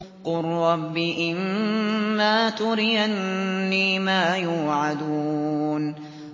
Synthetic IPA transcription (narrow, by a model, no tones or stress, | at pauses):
qʊrːɑbːiʔɪmː | aːt̪ʊɾɪjanːiːmaːjuːʕad̪un